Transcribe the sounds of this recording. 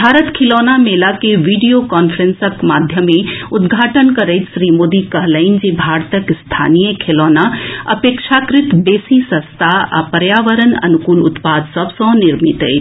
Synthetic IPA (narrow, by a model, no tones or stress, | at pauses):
bʱaːɾət̪kʰeloːnameːlakeʋiːɖijokaːnpʰɾə̃nsəkmaːd̪ʱjəmẽʊd̪ɡʱaːʈənkɐɾəɪt̪sɾiːmoːd̪ikɐɦləɪnd͡ʒebʱaːɾt̪əkst̪ʰa̰ːnijəkʰelɔːnaɐ̰peːkʃakɾɪt̪beːsisə̃st̪ʰaa̰pəɾjaːʋəɾənɐ̰nukuːlʊt̪paːd̪sɐbsɔ̃nɪɾmit̪ə̰jt̪